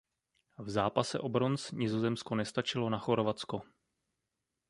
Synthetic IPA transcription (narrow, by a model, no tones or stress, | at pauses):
vzaːpasɛ̰ʔo̞bɾo̞nsɲɪzo̞zɛmsko̞nɛst̪at͡ʃɪlo̞naxo̞ɾovat͡sko̞